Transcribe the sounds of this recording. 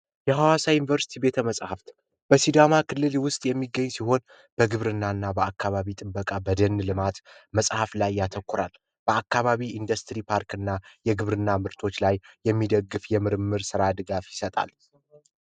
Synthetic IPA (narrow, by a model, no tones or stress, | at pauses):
jɛɦawasajunivəɾsi̥t̪ʰibe̞t̪ʰəməsʼhaft̪ | b̥əsid̪amakʰɨlːɨlwʊst̪ʼjɛmːiɡːəɲːsiɦo̞n | b̥əɡɨβɾɨnːanːabəakːaβaβit̪ʼɨbbəkʼabəd̪ənːlɨmat̪məsʼhaflajːat̪ʰəkːʊɾal | b̥əakːaβaβiind̪əst̪ʰɾipʰaɾkɨnːajɛɡɨβɾɨnːamɨɾt̪ʰo̞t͡ʃːlajːɛmːid̪əɡːɨfjɛmɨɾɨmːɨɾsɨɾad̪ɨɡafjɪsət̪ʼa̰l